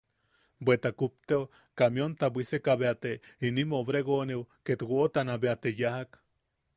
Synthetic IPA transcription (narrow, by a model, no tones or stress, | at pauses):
bʷet̪akup̚t̪eo | kamjont̪abʷisekaβeat̪einimoβɾeɣonewket̪ɡoʔot̪anabeat̪ejahak